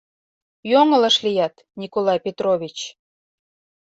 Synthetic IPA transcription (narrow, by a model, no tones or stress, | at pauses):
joŋə̆lə̆ʃlijɑt̪ | nʲikolɑjpʲet̪roβʲit͡ɕ